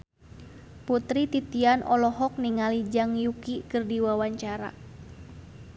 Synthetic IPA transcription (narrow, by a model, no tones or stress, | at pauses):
put̪ɾit̪it̪ianʔɔlɔɦɔk̚niŋalid͡ʒaŋjukikɨrdiwawaɲt͡ʃaɾa̰